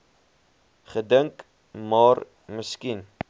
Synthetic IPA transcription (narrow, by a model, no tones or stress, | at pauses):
χədəŋk | mɑːr | məskin